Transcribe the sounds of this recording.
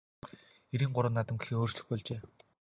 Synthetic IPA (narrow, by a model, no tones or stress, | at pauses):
eɾiːŋɢʊɾə̆nːat̪ə̆mɡxiːŋoːr̥t͡ɕɮɘ̆xpɔɮt͡ɕeː